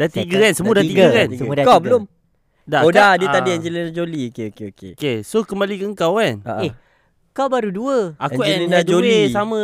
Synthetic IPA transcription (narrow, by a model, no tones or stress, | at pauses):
d̥at̪iɡəɛnsəmuadat̪iɡəɛnkawbəlom | daoadit̪adiɛɲd͡ʒəlinad͡ʒoliokeokeokekesokəmbalikəəŋkawɛnəe | kawbaɾuduəakuʔɛninad͡ʒoesamə̃